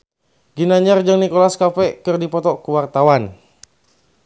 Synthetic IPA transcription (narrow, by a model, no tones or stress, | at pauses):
ɡinaɲard͡ʒaŋnikɔlaskafɛkɨrdipɔt̪ɔkuwart̪awan